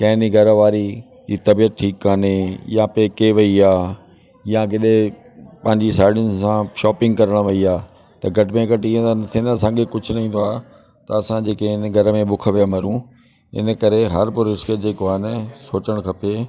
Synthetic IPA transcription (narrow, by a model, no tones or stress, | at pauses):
kɐ̃ːɦɪniɡʱɐɾəʋaːɾi | iːt̪ɐbijət̪̚ʈʰiːkːaːnejãpeːkeʋɐiaː | jãɡɪɗẽ | pɐ̃ɦɪ̃ɲd͡ʑisaːɪɽɪʊ̃nsãʃɔːpɪ̃ŋɡkɐɾəɽ̃ʋɐiaː | t̪ɐɡʱɐʈɪmẽɡʱɐʈiːə̃nɐt̪ʰĩnɐsãːŋɡekʊd͡ʑʱʊ̆nɐĩːn̆d̪oaːɦ | t̪ɐɐsãd͡ʑeːkeɪnɡʱɐɾəmẽbʊkʰʋijamɐɾũ | ɪ̰nə̆kɐɾeɦɐɾpʊɾɪskəd͡ʑeːkoaːɦɪnəsoːt͡ɕəɽ̃kʰɐpe